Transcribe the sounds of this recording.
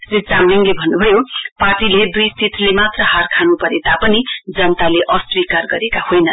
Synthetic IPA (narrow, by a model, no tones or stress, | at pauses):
srit̪d͡zamliŋlebʱʌnːubʱʌjoparʈiled̪ujst̪it̪ʰlemat̪rʌɦarkʰanupʌɾet̪apʌnid͡zʌnt̪aleʔʌswikarɡʌɾekahojnʌ